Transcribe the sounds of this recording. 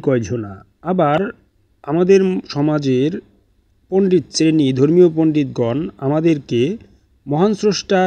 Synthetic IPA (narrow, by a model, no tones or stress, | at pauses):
kɔjd͡ʑʱona | abaɾ | amad̪eɾʃɔmad͡ʑeɾ | poɳɖit̪̚sɾenid̪ʱoɾmiopoɳɖit̪ɡɔnamad̪eɾke | mɔɦansɾoʃʈa